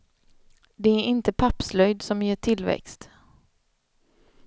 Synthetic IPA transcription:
d̪ɛæɾʔɪnt̪əpʰapslœjd̪sɔmjeːʈʰɪlvɛ̰kst̪

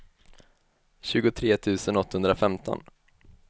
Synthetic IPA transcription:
ɕʉ̟ːɡʊt̪ʰɾeːt̪ʰʉ̟ːsənɔt̪ːahɵnd̪ɾafɛmt̪ʰɔ̰n

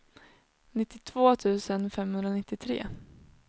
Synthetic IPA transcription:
nɪt̪ːɪt̪ʰv̥oːt̪ʰʉ̟ːsənfɛmhɵnd̪ɾanɪt̪ːɪt̪ʰɾḛː

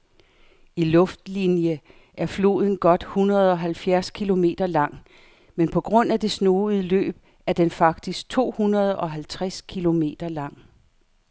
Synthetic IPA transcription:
ilɔ̽fd̥linjə | ʔæɐflo̝̰ːð̞ˠn̩ɡ̥ɒ̽d̥hunɐð̩ˠɒ̽ɦælfjæɐskʰilo̝me̝̰ːd̥ɐlɑ̈ŋ̰ | menpʰɒ̽ɡ̥ʁɔ̽n̰æd̥e̝sno̝ːð̩ˠlø̰ːb̥̚ | æɐd̥enfɑ̈ɡ̥̚d̥isɡ̥̚t͡sʰo̝̰ːhunɐð̞ˠɒ̽ɦælt͡sʰʁaɛskʰilo̝me̝̰ːd̥ɐlɑ̈ŋ̰

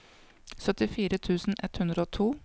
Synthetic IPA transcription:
sœt̪ɪfiːɾət̪ʰʉːsn̩ɛt̪hʉnd̪ɾəoːt̪ʰuː

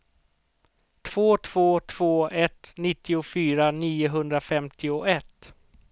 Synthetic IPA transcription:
t̪ʰv̥oːt̪ʰv̥oːt̪ʰv̥oːʔɛt̪nɪt̪ːɪʊfyːɾaniːʊɦɵnd̪ɾafɛmt̪ɪʊɛt̪ː

